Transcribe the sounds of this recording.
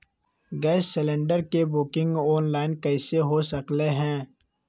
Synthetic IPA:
ɡɛːsːɪlẽɳɖəɾkebʊkɪ̃ŋɡɔːnlaːɪnkɐɪseɦosəkleɦɛ̃ː

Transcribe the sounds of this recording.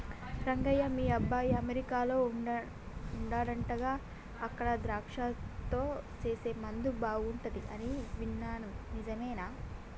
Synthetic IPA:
ɾɐŋɡɐjɐmiːɐbːaːjɐmeɾikaːlo̞ː | uɳɖaːɽɐɳʈɐɡaː | ɐkːɐɽɐd̪ɾaːkʂaːt̪o̞ːt͡ʃeːseːmɐnd̪ubaːɡuɳʈɐd̪iʔɐniʋinːaːnunid͡ʒɐmeːnaː

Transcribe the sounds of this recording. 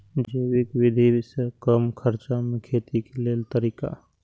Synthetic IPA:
d͡ʒd͡ʒəwɪkʋɪd̪ʱisekəmkʰəɾt͡ʃamẽkʰeːt̪ikeleːlt̪əɾiːka̰

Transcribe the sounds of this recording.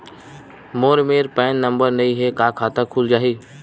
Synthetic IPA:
moːɾmeːɾpɛ̃ːnːə̃mbəɾnɐĩɦekaːkʰaːt̪əkʰuld͡ʒaːɦiː

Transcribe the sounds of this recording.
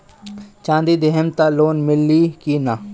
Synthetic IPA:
t͡ʃãːnd̪id̪eɦəmt̪aloːnmɪlːikina

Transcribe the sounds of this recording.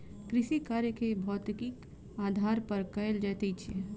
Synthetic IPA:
kɾɪʃikaːɾjəkebʱɔːt̪kik | aːd̪ʱaːɾpəɾkəeld͡ʒaːt̪et͡ʃʰie

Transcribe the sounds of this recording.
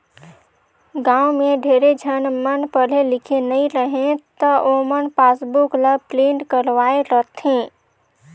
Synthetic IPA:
ɡãũmeɖʱeɾed͡ʒʱənmənpəlelikʰenəjɾəɦẽt̪əʔomənpasbukləb̚pleɳʈkəɾʋaeɾət̪ʰẽ

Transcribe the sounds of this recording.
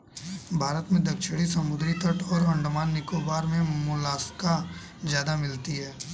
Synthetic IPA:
bʱaːɾət̪mẽd̪ɐkʃɽisɐmʊd̪ɾit̪ʰəʈʰɔːɾɐ̃ɳɖmaːnːɪkobaːɾmẽmʊlaːska | d͡ʒjaːd̪amɪlt̪iɦɛː

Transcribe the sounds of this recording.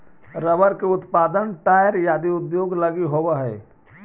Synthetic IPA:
ɾəbəɾkeʊt̪paːd̪ənʈaːjəɾjaːd̪iʊd̪joːɡləɡiɦowaɦɛː

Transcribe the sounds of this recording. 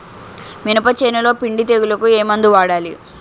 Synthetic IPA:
minupɐt͡ʃeːnɐlo̞ːpiɳɖit̪eɡulɐkueːmɐnd̪uʋaːɽaːlḭ

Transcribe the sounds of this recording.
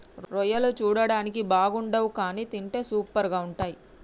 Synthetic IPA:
ɾɾɔjɐloːt͡ʃuːɽɐɽaːnikibaːɡuɳɖɐʋukaːniːt̪iɳʈe̞ːsuːpːɐɾɡaːuɳʈaːji

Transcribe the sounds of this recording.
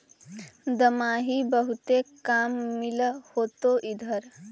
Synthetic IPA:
d̪əmaːɦibəɦut̪ekaːmːilhoːt̪oʔid̪ʱəɾ

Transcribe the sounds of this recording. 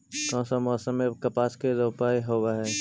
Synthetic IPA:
kɔ̃ːnsamɔːsəmːekɐpaːskeɾoːpaːiɦoːwaɦɛː

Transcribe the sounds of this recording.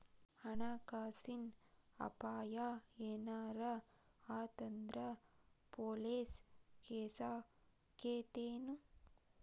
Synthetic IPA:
ɐɳaːkaːsinɐ̰paːjaːeːnaːɾɐ | aːt̪ɐnd̪ɾɐpoːleːskeːsaː | keːt̪eːnu

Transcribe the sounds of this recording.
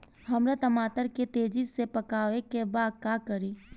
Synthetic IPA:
ɦəmɾat̪əmaːt̪əɾket̪eːd͡ʒɪsepəkaːʋekebaːd̪̚kakəɾiː

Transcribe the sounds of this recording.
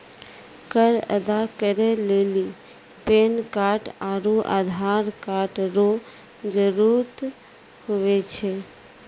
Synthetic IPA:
kəɾə̰d̪akəɾeleli | penkaʈaɾuʔa̰d̪ʱaɾkaʈɾo | d͡ʒəɾuɾt̪ | hoʋet͡ʃʰe

